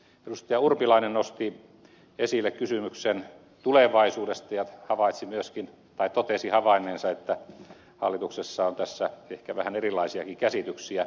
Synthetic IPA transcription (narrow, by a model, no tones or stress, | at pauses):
elust̪ɑjɑurpilɑinennost̪i | esilːekkysymyksen | t̪uleʋɑisuːdest̪ɑjɑhɑʋɑit̪simyøskin | t̪ɑit̪ot̪esihɑʋɑinːˑeːnsɑet̪ːæ | hɑ̰lːit̪uksesːɑont̪æsːæehkæʋæhænerilːˑɑisiɑkikæsit̪yksiæ